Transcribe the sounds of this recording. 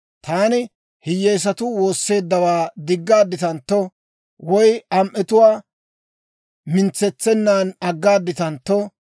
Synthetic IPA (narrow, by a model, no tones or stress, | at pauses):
t̪aːnɪ | hɪjːɛjs̬ɐt̪ʊwo̞ːsːe̞ːd̪ːɐwaːd̪ɪɡːaːd̪ːɪt̪ɐnt̪ːɔ | wɔjɐmʔɛt̪ʊwaː | mɪnt͡sːɛt͡sːɛnːaːnɐɡːaːd̪ːɪt̪ɐnt̪ːɔ